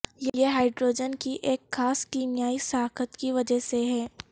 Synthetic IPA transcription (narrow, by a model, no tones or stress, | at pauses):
jeeɦaːɪɖɾoːd͡ʒənkiʔeːkxaːskiːmjaːisaːkət̪kiʋɐd͡ʒəɦseɦɛː